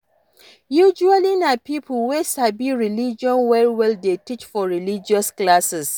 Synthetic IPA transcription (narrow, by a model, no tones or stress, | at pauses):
jud͡ʒualinapipʰəlwesabiɹilid͡ʒiɔ̃nwɛlwɛldetit͡ʃfɔɹilid͡ʒiɔsklasɛs